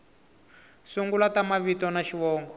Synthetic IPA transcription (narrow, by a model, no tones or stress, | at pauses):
suŋɡulatamaβitɔnaʃiβɔːŋɡɔ